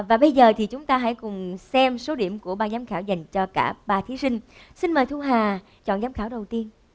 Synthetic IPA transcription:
vaː˨˩ɓə˧jzəː˨˩t̪ʰi˨˩t͡ɕʊ˨˦ŋ͡mt̪aː˧ɦa̰˧˥jkʊ˨˩ŋ͡msɛ˧mso˨˦ɗi˧˩əmku˧˩əɓaː˨˩zaː˨˦mxaː˧˩wza˨˩jŋ̟t͡ɕɔ˧kaː˧˩ɓaː˨˩t̪ʰi˨˦sï˧ŋ̟ | sï˧nməː˨˩jt̪ʰu˧ɦaː˨˩ | t͡ɕɔ̰˧˨nzaː˨˦mxaː˧˩wɗə˨˩wt̪i˧ən

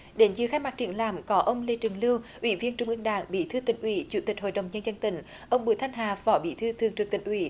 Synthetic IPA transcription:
ɗe˨˦nzɨ̰˧˨˦xaː˧jma˨˩t͡ɕḭ˨˧˩ənlaː˨˩mkɔ˨˦ʔə˧wŋ͡mle˧˩t͡ɕɨ˨˩ŋlɨ˧wʔwi˧˩vi˧ənt͡ɕʊ˧ŋ͡mʔɨ˧əŋɗa̰ː˧˩ŋɓḭ˧˥t̪ʰɨ˧t̪ï˧˩ŋ̟ʔwi˧˦t͡ɕu˧˦t̪i˨˩k̟̚ɦo̰˧˨jɗə˨˩wŋ͡mɲə˧nzə˧nt̪ï˧˩˦ŋ̟ | ʔə˧wŋ͡mɓu˧˦jt̪ʰa˧jŋ̟ɦaː˨˩fɔ˨˦ɓḭ˧˥t̪ʰɨ˧t̪ʰɨ˨˩əŋt͡ɕɨ˨˩k̚t̪ï˧˨˩ŋ̟ʔwḭ˧˦

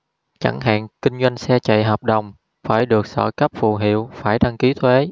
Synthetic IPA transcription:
t͡ɕa˧˩ŋɦa̰ː˧˨nkï˧ŋ̟zwa˧jŋ̟sɛ˧t͡ɕa̰˧˨jɦəː˨˩p̚ɗə˨˩wŋ͡m | faː˧˩jɗɨ˨˩ək̚sɔ̰˧˩kə˦˥p̚fṵ˧˨˩ɦḭ˧˨əwfaː˧˩jɗa˧ŋki˨˦t̪ʰwe˨˦

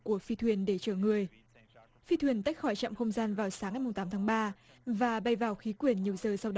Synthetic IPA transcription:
ku˧˩əfi˧t̪ʰwi˨˩ənɗe˧˩t͡ɕəː˧˩ŋɨ˨˩əj | fi˧t̪ʰwi˨˩ənt̪a˦˥jk̚xɔ˧˩jt͡ɕa̰ː˧˨mxə˧wŋ͡mzaː˧nvaː˨˩wsaː˨˦ŋːa˨˩jm˨˩ŋ͡mt̪aː˨˦mt̪ʰaː˨˦ɓaː˧ | vaː˨˩ɓa˧˩jvaː˨˩wxi˨˦kwi˨˩ənɲi˨˩əwzəː˨˩sa˧wɗ

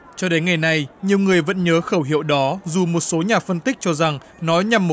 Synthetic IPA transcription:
t͡ɕɔ˧ɗe˨˦nŋa˨˩jna˨˩jɲi˨˩əwŋɨ˨˩əjvə̰˧˥nɲəː˨˦xəː˧˩wɦḭ˧˨wɗɔ˨˦zu˨˩mo˨˩t̚so˨˦ɲaː˨˩fə˧nt̪ï˦˥k̚t͡ɕɔ˧za˨˩ŋ | nɔ˨˦ɲa˨˩mːo˨

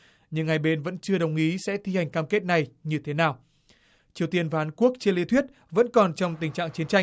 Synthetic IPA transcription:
ɲɨ̰˧˥ŋːa˨˩jɓe˧nvə̰˧˥nt͡ɕɨ˧əɗə˨˩wŋ͡mʔi˨˦sɛ̰˧˥t̪ʰi˧ha˨˩jŋ̟kaː˧mke˦˥t̚na˨˩jɲɨ˧t̪ʰe˨˦naː˨˩w | t͡ɕi˨˩əwt̪i˧ənvaː˨aː˨˦nku˦˥ək̚t͡ɕe˧li˧˥t̪ʰwi˦˥t̚ | və̰˧˥nkɔ˨˩nt͡ɕɔ˧wŋ͡mt̪ï˨˩ŋ̟t͡ɕa̰ː˧˨ŋt͡ɕi˨˦ənt͡ɕa˧j

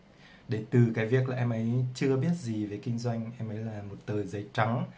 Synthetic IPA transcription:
ɗe˨˦t̪ɨ˨˩kaː˨˦jvi˨˩ək̚laː˨˩ʔɛ˧mʔə˨˦jt͡ɕɨ˧əɓi˦˥ət̚zi˨˩ve˨˩kï˧ŋ̟zwa˧jŋ̟ʔɛ˧mʔə˨˦jlaː˨˩mo˨˩t̚t̪əː˨˩jzə˨˦jt͡ɕa˨˦ŋ

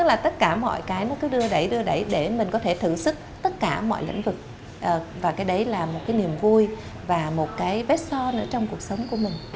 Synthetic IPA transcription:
t̪ɨ˦˥k̚laː˨˩t̪ə˦˥t̚kaː˧˩mɔ̰˧˨jkaː˨˦jnɔ˨˦kɨ˨˦ɗɨ˧əɗə˨˩jɗɨ˧əɗə˧˩jɗe˧˩mï˨˩ŋ̟kɔ˨˦t̪ʰe˧˩t̪ʰɨ˧˩sɨ˦˥k̚t̪ə˦˥t̚kaː˧˩mɔ̰˧˨jlḭ˧˥ŋ̟vɨ˨˩k̚ | ʔvaː˨˩kaː˨˦jɗə˨˦jlaː˨˩mo˨˩t̚kaː˨˦jni˨˩əmɣu˧j | vaː˨˩mo˨˩t̚kaː˨˦jvɛ˦˥t̚sɔ˧nɨ̰˧˥ət͡ɕɔ˧wŋ͡mku˨˩ək̚sə˨˦wŋ͡mku˧˩əmï˨˩ŋ̟

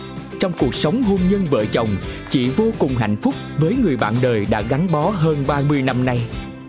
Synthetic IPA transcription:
t͡ɕɔ˧wŋ͡mku˨˩ək̚sə˨˦wŋ͡mɦo˧mɲə˧nvə̰ː˧˨t͡ɕə˨˩wŋ͡mt͡ɕḭ˧˩vo˧kʊ˨˩ŋ͡mɦa̰˧˨jŋ̟fʊ˦˥k͡p̚vəː˨˦jŋɨ˨˩əjɓa̰ː˧˨nɗəː˨˩jɗa̰ː˧˥ɣa˨˦jŋ̟ɓɔ˨˦ɦəː˧nɓaː˧mɨ˧əjna˧mna˧j

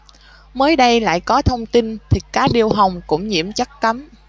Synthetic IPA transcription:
məː˨˦jɗə˧jla̰ː˧˨jkɔ˨˦t̪ʰə˧wŋ͡mt̪i˧nt̪ʰi˨˩kaː˦k̚ɗi˧əwɦa˨˩wŋ͡mkʊ̰˧˥ŋ͡mɲḭ˧˩əmt͡ɕa˦˥k̚ka˨˦m

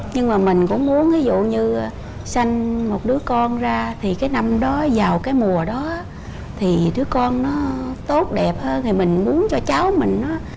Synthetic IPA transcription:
ɲɨ˧ŋmaː˨˩mï˨˩ŋ̟kʊ̰˧˥ŋ͡mmu˨˦ənvi˨˦zṵ˧˨ɲɨ˧˨˩ | sa˧jŋ̟mo˨˩t̚ɗɨ˨˦əkɔ˧nzaː˧t̪ʰi˨˩kaː˨˦jna˧mɗɔ˨˦zaː˨˩wkaː˨˦jmu˨˩əɗɔ˨˦˨ | t̪ʰi˨˩ɗɨ˨˦əkɔ˧nːɔ˨˦t̪o˦˥t̚ɗɛ˨˩p̚həː˧nha˨˩mï˨˩ŋ̟mu˨˦ənt͡ɕɔ˧t͡ɕa˨˦wmï˨˩ŋ̟nɔ˨˦

